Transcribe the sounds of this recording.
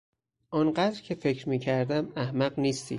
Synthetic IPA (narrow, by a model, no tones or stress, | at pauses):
ʔɒnɢæd̪ɾcʰe̞fe̞cʰɾmiːcʰæɾd̪æmæhmæɢniːst̪ʰḭ